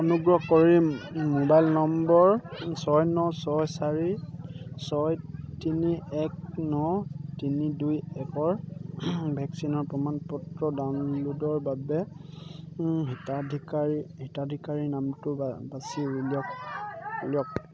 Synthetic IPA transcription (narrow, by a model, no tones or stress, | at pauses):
ɔnuɡɹɔkɔɹimobajlnɔmbɔɹsɔjnɔsɔjsaɹi | sɔjtiniɛk̚nɔtinidujɛkɔɹ | bʱɛksinɔɹpɹɔmanpɔtɹɔdanludɔɹbabɛ | ɦitadʱikaɹihitadʱikaɹinamtʊbasiɹuljɔk | ljɔk̚